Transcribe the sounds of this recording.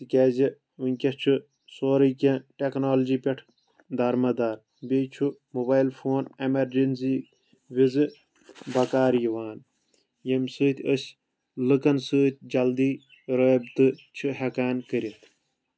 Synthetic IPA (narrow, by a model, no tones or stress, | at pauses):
t̪ɨkʲeːzi | unʲkʲɐt͡ʃʰu | soːɾɨkʲẽʈeknoːld͡ʒiːpʲɐʈʰ | d̪ɐɾmɐd̪aːɾ | bʲejt͡ʃʰumubaːjilfʰoːnemɐɾd͡ʒinzi | ʋizɨ | bɐkaːɾjiʋaːn | jɐmsɨːt̪ʲəsʲ | lɨkɐnsɨːt̪ʲd͡ʒɐld̪iː | ɾəːbt̪ɨt͡ʃʰɨɦɐkaːnkəɾit̪ʰ